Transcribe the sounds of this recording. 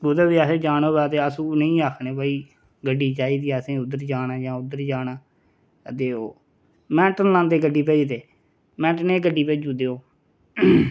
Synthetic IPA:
bod̪aːbiːasẽːd͡ʒaːnoːbɛːt̪eːəsũːnəĩːaːkʰnẽːbaːiː | ɡəɖːiːt͡ʃaːiːd̪iːsẽːʊd̪əɾd͡ʒaːnaːd͡ʒãːʊd̪əɾd͡ʒaːnaː | t̪eːoː | mɛ̃ːʈənlãːnd̪eːɡəɖːiːpeːd͡ʒt̪eː | mɛ̃ːʈneːɡəɖiːpɛːd͡ʒuːd̪eːoː

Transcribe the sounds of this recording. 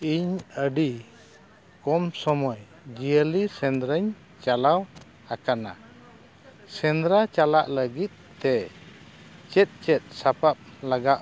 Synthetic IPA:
iɲəɖi | kɔmsɔmɔj | d͡ʒijəlisɛnd̪ɾəɲ | t͡ʃalaw | akana̰ | sɛnd̪ɾat͡ʃala̰ʔləɡit̪̚t̪ɛ | t͡ʃɛt̪̚t͡ʃɛt̪̚sapap̚laɡaʔ

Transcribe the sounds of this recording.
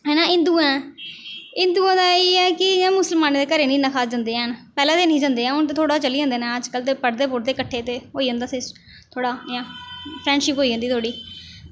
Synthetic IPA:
ɦɛːnãːɪnd̪uːãːɛ | ɪnd̪uːãːd̪aːeːɛːkɪjãːmʊsəlmaːnːd̪eːkəɾeːnĩːnəkʰaːd͡ʒə̃nd̪eːɛ̃ːnpɛːlãːd̪eːnĩːd͡ʒə̃ːnd̪eːɛ̃ːʊnt̪eːt̪ʰoːɽaːt͡ʃəliːə̃ːnd̪eːnɛ̃ːəd͡ʒkəlt̪eːpəɽd̪eːpʊɾ̚d̪eːkəʈʰːeːt̪eːɦoːiːɦə̃ːnd̪aːsɪ | t̪ʰoːɽaːjãːpʰɾɛ̃ːɳɖʃɪpɦoːiːd͡ʒə̃nd̪iːt̪ʰoːɽiː

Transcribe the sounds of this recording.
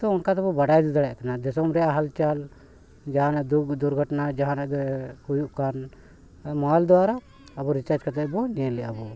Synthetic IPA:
t̪ɔɔnkat̪ɛbɔbaɽajd̪ud̪aɽɛʔkanad̪ɛsɔmɾɛjaɦalt͡ʃal | d͡ʒaɦãnaʔd̪ukd̪uɾɡʱəʈnad͡ʒaɦãnaɡɛhujuʔkan | mɔald̪ɔwaɾaː | bɔɾit͡ʃaɾd͡ʒkat̪ʰɛbɔnɛɛlɛʔabɔ

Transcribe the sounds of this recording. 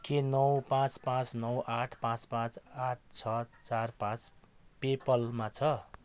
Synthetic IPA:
kenʌwpãt͡spãt͡snʌwʔaʈʰpãt͡spãt͡saʈ̚ʰt͡sʰʌt͡sarpãt͡spepʌlmat͡sʰʌ

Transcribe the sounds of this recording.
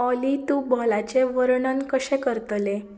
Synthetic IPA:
ɔlit̪ubʱɔlat͡ɕeʋəɾɳənkəɕɛ̃kəɾt̪le

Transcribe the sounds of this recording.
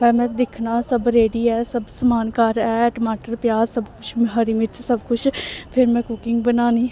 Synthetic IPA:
ɛ̃ːmɛ̃ːd̪ɪkʰnaːsəbɾeːɖiːɛːsəbsəmaːnkaɾɛːɛːʈmaːʈəɾpjaːsəbkʊt͡ʃʰmɪɦaːɾimɪt͡ʃsəbkʊt͡ʃʰpʰɪɾmɛ̃ːkʊkɪŋɡbənaːniː

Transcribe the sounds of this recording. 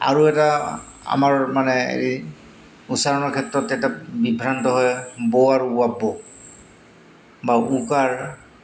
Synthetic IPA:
a̰ɹuɛtaa̰maɹmanɛḛɹi | utsaɹɔnɔɹkʰɛtɹɔtːɛtabibʱɹantɔɦɔjbɔwaɹuabːɔ | baukaɹ

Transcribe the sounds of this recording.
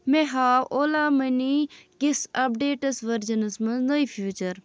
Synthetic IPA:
meɦaːwoːlaːmɐnikisɐp̚ɖeːʈɐsʋɐɾd͡ʒɐnɐsmɐnznɐifʰjuːt͡ʃɐɾ

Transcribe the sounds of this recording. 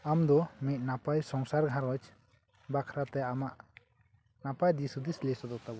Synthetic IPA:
amd̪ɔmit̪̚napajsɔŋsaɾɡʱãɾɔt͡ʃ | bakʰɾat̪ɛamaʔ | napajd̪isud̪islɛsɔd̪ɔt̪abɔ

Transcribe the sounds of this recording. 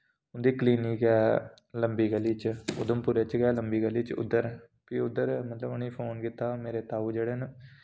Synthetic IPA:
ʊ̃nd̪iːkliːniːkɛː | ləmbiːɡəlːiːt͡ʃʊ̰d̪əmpʊːɾeːt͡ʃɡɛːləmbiːɡəlːiːt͡ʃʊ̰d̪ːəɾ | piːʊd̪ːəɾmət̪ləbəniːpʰoːnkɪt̪aːmeːɾeːt̪aːuːd͡ʒeːɽeːn

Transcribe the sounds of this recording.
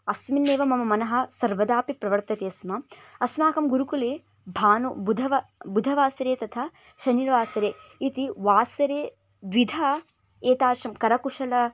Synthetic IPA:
ɐsminːeːʋɐmɐmɐmɐnɐɦɐ̆sɐɾʋɐd̪aːpipɾɐʋɐɾt̪ɐt̪eːɐsmɐɐsmaːkɐmɡuɾukuleː | bʱaːnubud̪ʱɐʋɐbud̪ʱɐʋaːsɐɾeːt̪ɐt̪ʰɐ | ʃɐniɾʋaːsɐɾeːit̪iʋaːsɐɾeː | d̪ʋid̪ʱa | eːt̪aːʃɐmkɐɾɐkuʂɐlɐ

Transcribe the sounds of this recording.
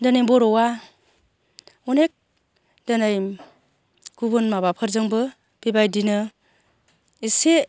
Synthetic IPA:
dɯnɯjbɔɾɔwa | unek̚ | dɯnaj | ɡ̥ubɯnmaβapʰɯɾzɯŋbɯ | b̥ibajdinɯ | ise

